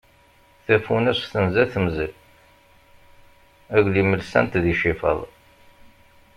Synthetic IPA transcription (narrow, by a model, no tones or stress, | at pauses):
θæfunæsθənzæθəmzəl | æʝliməlsæ̰nt̪ðiʃifə̰ðˤ